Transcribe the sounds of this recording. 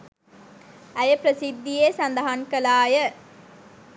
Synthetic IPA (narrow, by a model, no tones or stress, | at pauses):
æjəpɾɐsid̪ːijeːsɐnd̪ɐɦaŋkɐlaːjə